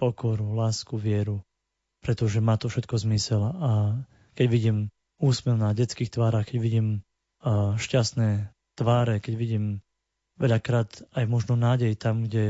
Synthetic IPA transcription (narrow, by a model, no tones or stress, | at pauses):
pɔkɔɾulaːskuʋɪɛɾu | pɾɛt̪ɔʒɛmaːt̪ɔfʃɛt̪kɔzmisɛla | kɛɟʋiɟiːm | uːsmɛʊnaɟɛt͡skiːxt̪ʋaːɾaxkɛɟʋiɟiːm | ʃcast̪nɛː | t̪ʋaːɾɛkɛɟʋiɟiːm | ʋɛʎakɾaːt̪ajmɔʒnɔnaːɟɛjt̪amɡɟɛ